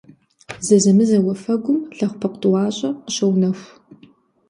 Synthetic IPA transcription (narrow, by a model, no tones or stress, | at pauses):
zɐzɐmɨzɐwɐfɐɡʷʊmɬɐχʷpʰɐqʷtʼwɑːɕʼɐqəɕɐwnɐxʷ